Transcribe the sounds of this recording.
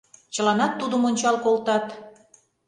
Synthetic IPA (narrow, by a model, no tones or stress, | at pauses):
t͡ɕə̆lɑnɑt̪ːud̪əmonʲt͡ɕɑlkolt̪ɑt̪